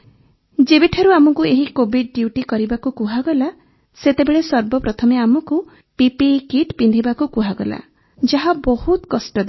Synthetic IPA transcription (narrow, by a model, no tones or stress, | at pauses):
d͡ʒebiʈʰaɾuamɔkueɦikobʱiɖ̚ɖjuʈikɔɾibakukuɦaɡɔla | set̪ebeɭesɔɾbɔpɾɔt̪ʰɔmeamɔku | pipikiʈpind̪ʱibakukuɦaɡɔla̰ | d͡ʒaɦabɔhut̪kɔsʈɔd̪a